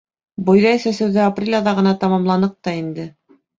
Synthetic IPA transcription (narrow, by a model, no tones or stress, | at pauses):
bŏjðɑjsæsɘ̆wðæaprʲelʲɑðɑʁɤ̆nɑt̪ɑmɑmlˠɑnɤq̚t̪ɑind̪ɘ